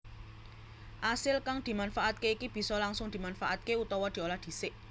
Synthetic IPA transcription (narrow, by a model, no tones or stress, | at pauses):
ʔasɪlkaŋd̪̥i̤manfaʔat̪̚keikib̥i̤sɔlaŋsʊŋd̪̥i̤manfaʔat̪̚keut̪ɔwɔd̪̥i̤olahd̪̥i̤sɪʔ